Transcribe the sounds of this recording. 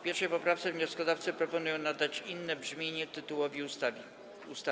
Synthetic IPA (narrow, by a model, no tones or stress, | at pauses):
pʲjɛɾʂɛjpɔpɾaft̪sɛvɲɔskɔd̪aft̪sɛpɾɔpɔnujɔ̃w̃nad̪at͡ɕinːɛbʐmʲjeɲɛt̪ɘt̪uwɔvʲiust̪avʲ | ust̪a